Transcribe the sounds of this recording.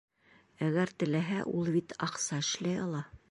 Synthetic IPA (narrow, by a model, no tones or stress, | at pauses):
æɡæɾt̪ɘ̆læɦæʔulˠbit̪ʰɑqsɑɘ̆ʃlæjɑlˠɑ